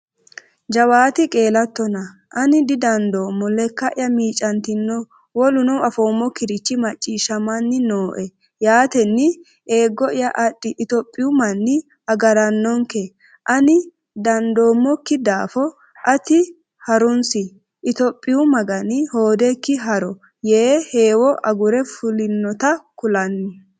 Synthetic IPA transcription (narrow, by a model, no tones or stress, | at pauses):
d͡ʒɐwaːt̪ɪkʼe̞ːlɐt̪ːɔnɐʔɐnɪd̪ɪd̪ɐnd̪o̞ːmːɔlɛkːɐʔɪjɐmiːt͡ʃʼːɐnt̪ɪnːɔ | wɔlʊnɔwɐfo̞ːmːɔkɪɾɪt͡ʃːɪmɐt͡ʃʼːiːʃɐmɐnːɪnoːʔɛ | jaːt̪ɛnːɪ | e̞ːɡːɔɪjɐʔɐɗːɪʔɪt̪ɔpʼːɪjʊmɐnːɪ | ɐɡɐɾɐnːɔŋkɛ | ʔɐnɪ | d̪ɐnd̪o̞ːmːɔkːɪd̪aːfɔ | ʔɐt̪ɪ | hɐɾʊnsɪ | ʔɪt̪ɔpʼːɪjʊmɐɡɐnɪho̞ːd̪ɛkːɪɦɐɾɔ | jeːheːwɔʔɐɡʊɾɛfʊlɪnːɔt̪ɐkʊlɐnːɪ